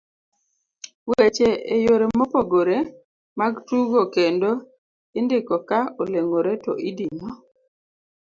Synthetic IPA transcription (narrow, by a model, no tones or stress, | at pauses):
wet͡ʃeejoɾemopoɡoɾe | maɡtuɡokendo | ɪndɪkɔkaoleŋoɾetɔ̰ʔidiɲɔ